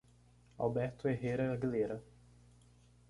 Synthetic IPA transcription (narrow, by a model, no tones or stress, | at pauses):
a̰wbɛɾt̪ʊeɦeɾɐɐɡileɾɐ